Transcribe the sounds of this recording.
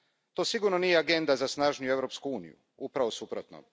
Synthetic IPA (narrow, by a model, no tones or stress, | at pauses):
t̪osiɡuɾnonijeaɡe̞nd̪azasnaːʒnijue̞ʋɾo̞pskuuːnḭjṵ | upɾaʋo̞supɾot̪no̰